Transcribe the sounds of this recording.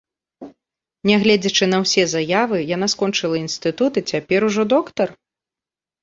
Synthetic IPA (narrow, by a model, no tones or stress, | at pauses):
nʲɛɣlʲɛd͡zʲɐt͡ʂɨnɐwsʲɛzajavɨjanaskɔnt͡ʂɨlˠɐinst̪ɨt̪ut̪ɨt͡sʲapʲɛɾuʐɔd̪ɔkt̪ɐr